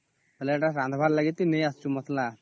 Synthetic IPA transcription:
əleʈasãnd̪ʱbʱaɾlaɡit̪ːinejast͡ɕumət̪ʰla

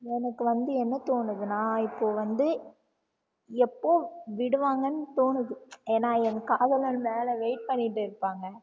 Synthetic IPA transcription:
ɛnɐkːɯʋɐnd̪ɯɛnːɐt̪oːnɯðɯnãːɪpːoːʋɐnd̪ɯ | ɛpːoːʋɪɽɯʋaːŋɡɐnːɯt̪oːnɯðɯeːnːaːɛnkaːðɐlɐnmeːlɐʋeɪʈ̚pɐɳːɪʈːɯɪɾɯpːaːŋɡɐ

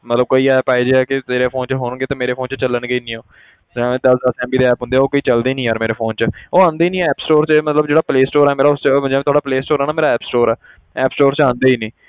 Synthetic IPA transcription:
mət̪ləb̚koːiːɛːpaːed͡ʒeɛːkɪt̪eːɾeːpʰoːnt͡ʃəɦoːnɡeːt̪ãːmeːɾeːpʰoːnt͡ʃt͡ʃəlːənɡeiːnĩːoː | d͡ʒãːmɛ̃ːd̪əsd̪əsɛ̃ːmbiːd̪eːɛːpɦʊ̃nd̪eːoːkoːiːt͡ʃəld̪eːnĩːaːɾmeːɾeːpʰoːnt͡ʃəoːãːnd̪eːinĩːɛːpsʈoːɾt͡ʃːmət̪ləbd͡ʒeːɽaːpleːsʈoːɾɛːmeːɾaːʊst͡ʃəd͡ʒãːmɛt̪ʊaɽɖaːpleːsʈoːɾɛːnaːmeːɾaɛːpsʈoːɾɛː | ɛːpsʈoːɾt͡ʃãːnd̪eːiːnĩː

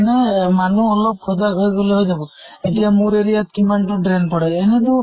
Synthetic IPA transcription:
nemanuɔlɔp̚kʰɔd̪aɡʱɔjɡɔlɔɦojd͡ʒabɔeʈiamuɾeɾijat̪kimanʈuɖɾenpɔɽaenet̪u

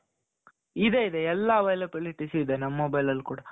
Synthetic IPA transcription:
id̪eid̪eɛlːaʋɐjlɐpɐliʈisiid̪enɐmːobɐjlɐlːkuːɽɐ

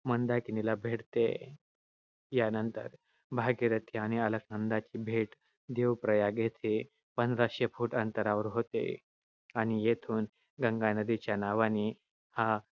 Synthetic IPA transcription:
mənd̪akinilabʱeɽt̪ḛ | janənt̪ə̰ɾ | bʱaɡiɾət̪ʰiaɽ̃iələk̚nənd̪at͡ɕiːbʱeʈ | d̪eʋpɾəjaɡet̪ʰe | pənd̪ɾaɕepʰuːʈənt̪əɾaʋəɾɦot̪ḛ | aɽ̃ijet̪ʰuːn | ɡəŋɡanəd̪it͡ɕjanaʋaniː | ha

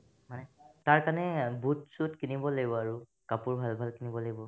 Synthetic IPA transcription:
manɛtaɹkaɹnɛbʱutsutkinibɔlaɡibɔaɹu | kapʊɹbʱalbʱalkinibɔlaɡibɔ

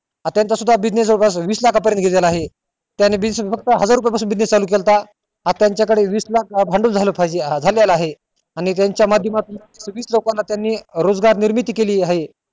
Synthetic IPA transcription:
at̪jant͡sasud̪ʱːabid͡ʑnespasʋiːslakʰapəɾjənt̪ɡʱelelaaɦe | t̪janːebiesfək̚t̪əɦəd͡zaɾup̬japas̬uːnbid͡ʑnest͡saluːk̬elt̪a | at̪jaɲt͡ɕjakəɽeʋiːslak̚bʱaɳɖuːld͡zʱaləpajd͡ʑead͡zʱaljalaɦe | aɽ̃it̪jaɲt͡ɕjamad̪ʱjəmat̪un | sʋiːslokãlːat̪janːiːɾod͡zɡaɾniɾmit̪ikeliːaɦe

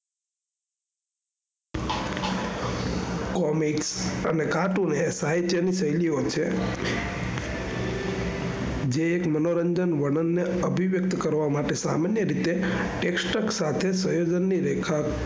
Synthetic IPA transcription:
kɔmiksənekaʈunesajt͡ʃenisəjliot͡ʃʰe | d͡ʒeːkmənoɾəɲd͡ʒənʋəɳənːeəbʱiʋjək̚t̪kəɾʋamaʈesamanjəɾit̪e | ʈeksʈəksat̪ʰesəjod͡ʒənːiɾekʰa

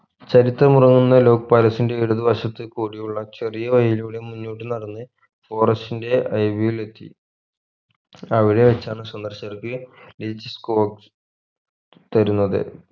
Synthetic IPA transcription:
t͡ɕɐɾit̪ːrɐmurɐŋːunːɐlo̞ːk̚paːlɐsinde̞iɻuðɨʋɐɕɐt̪ːɨkuːɽijuɭːɐt͡ɕerijɐʋɐjiluːɽemunːuːʈ̬ːɨnɐɽɐnːɨ | fo̞ːrɐsinde̞ɐjbijile̞t̪ːḭ | ɐʋiɽe̞ʋet͡ɕːaːɳɨswɐnd̪ɐrɕɐrkɨliːd͡ʑɨskoːk | t̪ɐɾunːɐðɨ̰

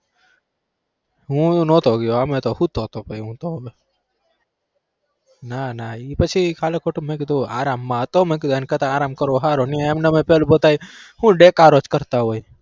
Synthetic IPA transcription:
ɦũnoːt̪oɡɪjoamẽt̪ohut̪oːt̪oːpɐiũːt̪o | nanaipɐt͡ʃʰikʰaːlekoʈumẽkid̪oa̰ːɾaːmːaːt̪omẽkid̪ankɐt̪aaːɾaːmkɐɾoːɦaːɾoniaɐmnɐmẽpelbot̪aːihũɖeːkaːɾoːt͡ʃkɐɾt̪aɦoːi

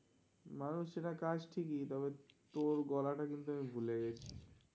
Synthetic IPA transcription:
manuʃeʈakad͡ʑʈʰikit̪ɔβet̪oɾɡɔlaʈakint̪uamibʱuleɡet͡ɕʰi

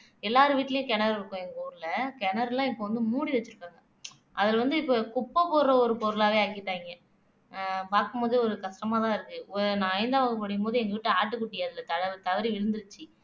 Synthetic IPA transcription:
ɛlːaːɾɯʋiːʈːlɐjʊ̃kɛɳɐɾɪɾɯkːõɛŋɡɐuːɾɯlɐkɛɳɐɾlãːɪpːoʋɐnd̪ɯmuːɽiʋɛt͡ʃːɯɾɯkːaːŋɡɐ | ɐðɪlʋɐnd̪ɯɪpːokʊpːɐpoːɾɐɔɾɯpɔːɾɯlaːʋeːaːkɪʈːaːɪŋɡɐ | paːɾkɯmpoːðiɔɾɯkɐʂʈɐmaːt̪ãːɪɾɯkːɯnãːɐɪnd̪aːʋɐɡɐpɐɽɪjɯmpoːðɯɛŋɡɐʋɪʈːɯaːʈːɯkːʊʈːɪjaːɐðɪlɐt̪ɐɐt̪ɐʋɐɾiʋɪɻɯnd̪ɯɾɯt͡ʃːɯ

